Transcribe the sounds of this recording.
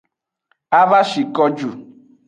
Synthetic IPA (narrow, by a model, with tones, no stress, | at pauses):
a˦va˦ʃi˨kɔ˦d͡ʒu˨